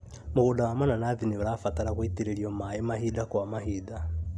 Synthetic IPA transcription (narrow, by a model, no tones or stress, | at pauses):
moɣoːdawamananaðinioɾafataɾakwitiɾeɾiɔmaemaɦidakwamaɦida